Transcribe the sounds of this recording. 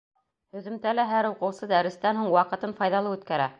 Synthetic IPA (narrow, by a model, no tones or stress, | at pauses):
hɵ̆ðɵ̆mt̪ælæɦæɾuqɤ̆wsɤd̪æɾɘ̆st̪ænhuɴwɑqɤ̆t̪ɤmfɑjðɑlˠɤʉt̪kæɾæ